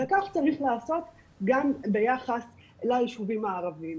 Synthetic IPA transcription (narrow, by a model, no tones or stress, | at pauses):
ekaχt͡saʁiχlaːso̞t̪ | ɡambejaχas | lajiʃuvimaːʁavim